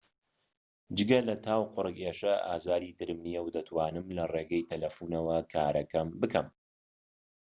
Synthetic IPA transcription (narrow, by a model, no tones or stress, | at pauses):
d͡ʒɨɡɐlɐt̪ʰaːwqʊrɨkeːʃɐa̰ːzaːɾit̪ɨɾɨmnijɛwd̪ɐt̪ʰwaːnɨmlɐreːɡɐjt̪ʰɐlɐfuːnɐwɐkʰaːɾɐkɐmbɨkɐm